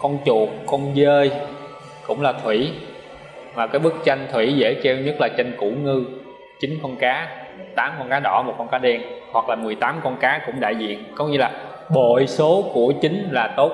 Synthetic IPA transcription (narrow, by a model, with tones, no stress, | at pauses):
kɔ˧nt͡ɕu˨˩ək̚kɔ˧nzəː˧j | kʊ̰˧˥ŋ͡mlaː˨˩t̪ʰwi˧˩˨ | maː˨˩kaː˨˦jɓɨ˦˥k̚t͡ɕa˧jŋ̟t̪ʰwḭ˧˥zḛ˧˥ke˧wɲə˦˥t̚laː˨˩t͡ɕe˧jŋkṵ˧˩˥ŋɨ˧ | t͡ɕi˨˦ŋ̟kɔ˧nkaː˨˦t̪aː˨˦mkɔ˧nkaː˨˦ɗɔ̰˧˩mo˨˩t̚kɔ˧nkaː˨˦ɗɛ˧nhwa˨˩k̚laː˨˩mɨ˨˩əjt̪aː˨˦mkɔ˧nkaː˨˦kʊ̰˧˥ŋ͡mɗa̰ː˧˨jzḭ˧˨ənkɔ˨˦wɲɨ˧laː˨˩ | ɓo̰˧˨jso˨˦ku˧˩ət͡ɕï˨˦ŋ̟laː˨˩t̪o˦˥t̚